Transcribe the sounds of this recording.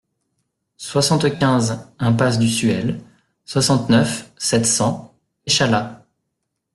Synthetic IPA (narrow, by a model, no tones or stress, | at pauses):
swasɑ̃t̪kʲɛ̃zɛ̃pas̬d̪ysyɛl | swasɑ̃t̪nœfsɛt̪sɑ̃ | eʃala